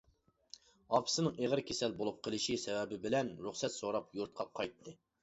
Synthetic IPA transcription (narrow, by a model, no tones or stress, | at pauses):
ɑpʰɨ̥sɨnɨŋeʁəɾkʲʰesɛlbolˠup̚qʰəlˠɨʃisɛvɛbɪbɪlɛnɾuχsɛt̪soɾɑpjuɾt̪̚qʰɑqʰɑjt̪ʰːɨ